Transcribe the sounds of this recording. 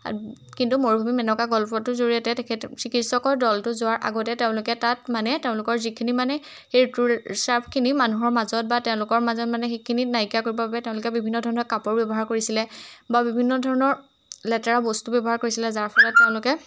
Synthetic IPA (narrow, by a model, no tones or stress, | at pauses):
kintumoɹbʱumimɛnɔkaɡɔlpɔtʊzoɹiɛtɛtekʰɛtsikitsɔkɔɹdɔltʊzʊaɹʔa̰ɡɔtɛteʊ̃lʊkɛtatmanɛteʊ̃lʊkɔɹzikʰinimanɛ | xetuɹsaɹpʰkʰinimanuɦɔɹmazɔt̚batɛʊ̃lʊkɔɹmazɔtmanɛxekʰininajkjakoɹibɔbabɛtɛʊ̃lʊkɛbibʱinːɔdʱɔɹɔnɔɹkapɔɹbɛbɔɦaɹkoɹisilɛbabibʱinːɔdʱɔɹɔnɔɹ | lɛtɛɹabostubɛbɔɦaɹkoɹisilɛzaɹpʰɔlɔtːeʊ̃lʊkɛ